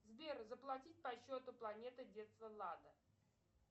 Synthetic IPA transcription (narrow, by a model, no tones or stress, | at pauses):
zbʲerzəplˠɐtʲit̚ʲpɐɕːot̪ʊplˠɐnʲet̪ɨdʲet̪st̪vəlˠad̪ə